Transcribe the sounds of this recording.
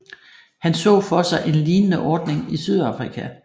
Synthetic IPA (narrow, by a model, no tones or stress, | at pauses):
hænsɔ̰̽ːfɒ̽sɑ̈ɪʔe̝nliːnənəʔɒːd̥ne̝ŋisyð̞ˠɑ̈fʁikʰæ